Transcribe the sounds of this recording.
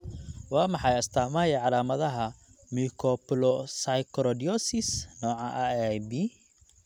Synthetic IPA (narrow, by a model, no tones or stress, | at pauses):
wɑːmɑħɑjɐst̪ʰaːmaːjɐʕɑlaːmɐðɐɦɐmikʰɔplɔsajkʰɾɔd̪iɔsɪsnɔːʕɑ̰ʔajbi